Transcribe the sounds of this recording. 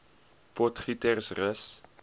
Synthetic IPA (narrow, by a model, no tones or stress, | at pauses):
pɔtχitərsrəs